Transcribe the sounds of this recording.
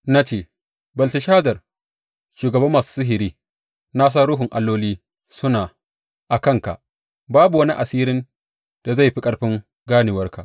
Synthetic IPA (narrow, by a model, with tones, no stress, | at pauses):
na˦t͡ʃeː˦˨ | bɐ˨ltɪ˨ʃaː˦zɐ˨r | ʃuː˨ɡɐ˨bɐ˦mːaː˨su̥˦sʊ˦ɦɪ˨ɾiː˦ | na˦s̬aː˦ɾʊ˦ɦʊ˨ŋʔa˨lːoː˦liː˦ | sʊ˦naː˨ | ʔa˨kɐ˦˨ŋka̰˨ʔ | baː˦bu˨wɐ˦ni˦ʔa˨siː˦ɾɪ˦n | d̥a˨za˦˨jɸi˦kʼɐ˨ɽɸɪ˦ŋ | ɡaː˦nɪ˨wɐ˦rka̰˨ʔ